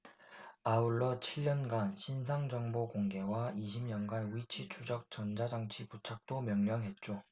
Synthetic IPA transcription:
auɭːʌt͡ɕʰiʎːʌnɡanɕʰins̬ʰaŋd͡ʑʌŋbokoŋɡe̞waiɕʰimɲʌnɡanuit͡ɕʰit͡ɕʰud͡ʑʌk̚t͡ɕʌnd͡ʑad͡ʑaŋt͡ɕʰiput͡ɕʰak̚t͈omjʌŋɲʌŋɦe̞t̚t͡ɕ͈o

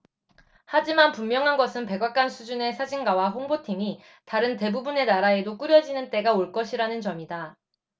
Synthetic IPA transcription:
had͡ʑimanpumːjʌŋɦanɡʌsʰɯnpe̞ɡak͈ansʰud͡ʑune̞sʰad͡ʑiŋɡawaɸoŋbotʰimi | taɾɯnte̞bubune̞naɾae̞dok͈uɾjʌd͡ʑinɯnt͈e̞ɡaoɭk͈ʌɕʰiɾanɯnt͡ɕʌmida

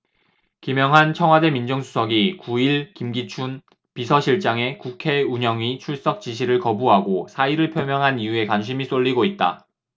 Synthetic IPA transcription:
kimjʌŋɦant͡ɕʰʌŋwade̞mind͡ʑoŋsʰu̥sʰʌɡikuiɭkimɡit͡ɕʰun | pisʰʌɕʰiɭt͡ɕ͈aŋe̞kukʰe̞uɲʌŋit͡ɕʰuɭs͈ʌk̚t͡ɕ͈iɕ̬ʰiɾɯɭkʌbuɦaɡosʰaiɾɯɭpʰjʌmjʌŋɦanijue̞kwanɕ̬ʰimis͈oʎːiɡoit̚t͈a̰

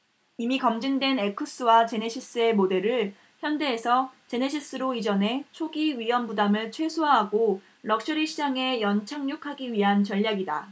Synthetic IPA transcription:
imikʌmd͡ʑiŋdwenekʰɯs͈ɯwat͡ɕe̞ne̞ɕʰis͈ɯe̞mode̞ɾɯɭ | çjʌnde̞ːsʰʌt͡ɕe̞neɕʰis͈ɯɾoid͡ʑʌne̞t͡ɕʰoɡiɥijʌmbudamɯɭt͡ɕʰwe̞sʰoaɦaɡo | ɾʌk̚ɕ͈ʌɾiɕʰid͡ʑaŋe̞jʌnt͡ɕʰaŋɲokʰaɡiɥiɦant͡ɕʌʎːaɡida

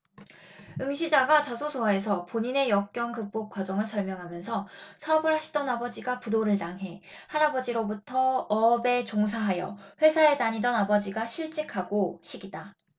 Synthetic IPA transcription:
ɯŋɕʰid͡ʑaɡat͡ɕasʰosʰoae̞sʰʌpoɲine̞jʌk̚k͈jʌŋkɯk̚p͈ok̚k͈wad͡ʑʌŋɯɭsʰʌɭmjʌŋɦamjʌnsʰʌsʰabɯɭɦaɕʰi̥d͈ʌnabʌd͡ʑiɡapudoɾɯɭtaŋɦe̞haɾabʌd͡ʑiɾobutʰʌʌbe̞t͡ɕoŋs̬ʰaɦajʌ̰ɸwe̞sʰaetaɲidʌnabʌd͡ʑiɡaɕʰiɭt͡ɕ͈ikʰaɡoɕʰiɡida

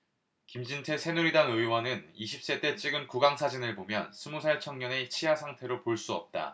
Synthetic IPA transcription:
kimd͡ʑintʰe̞sʰe̞nuɾidanɯiwʌnɯniɕʰip̚s͈e̞t͈e̞t͡ɕ͈ʰiɡɯnkuɡaŋsʰad͡ʑinɯɭbomjʌ̰nsʰumusʰaɭt͡ɕʰʌŋɲʌne̞t͡ɕʰijasʰaŋtʰe̞ɾopoɭs͈uʌ̰p̚t͈a̰

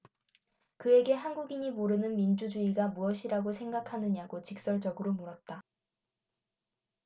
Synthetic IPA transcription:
kɯe̞ɡe̞ɦanɡuɡiɲimoɾɯnɯnmind͡ʑud͡ʑuiɡamuʌɕʰiɾaɡosʰeŋɡakʰanɯɲaɡot͡ɕik̚s͈ʌɭd͡ʑʌɡɯɾomoɾʌt̚t͈a

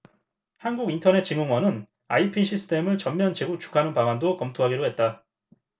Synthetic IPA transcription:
hanɡuɡintʰʌne̞t̚t͡ɕ͈iŋoŋwʌnɯn | a̰ipʰinɕʰisʰɯ̥tʰe̞mɯɭt͡ɕʌmmjʌnt͡ɕeɡut͡ɕʰu̥kʰanɯnpaŋandokʌmtʰoɦaɡiɾoɦe̞t̚t͈a

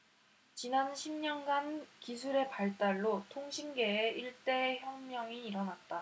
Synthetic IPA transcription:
t͡ɕinanɕʰimɲʌnɡankisʰuɾe̞paɭt͈aɭːotʰoŋɕʰinɡe̞ːiɭt͈e̞ːçjʌŋmjʌŋiːɾʌnat̚t͈a

